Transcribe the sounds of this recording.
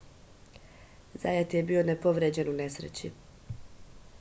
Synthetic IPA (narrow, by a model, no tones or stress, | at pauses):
zaːjet̪jebio̞nepo̞ʋɾed͡ʑe̞nune̞sɾḛt͡ɕḭ